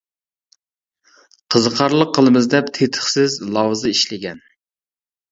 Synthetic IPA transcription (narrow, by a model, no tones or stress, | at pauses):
qʰəzəqʰɑɾlˠəqʰːəlˠɨmɨzd̪ɛpt̪ʰet̪ʰə̥χsɪzlˠɑwzɨiʃlɪɡʲɛn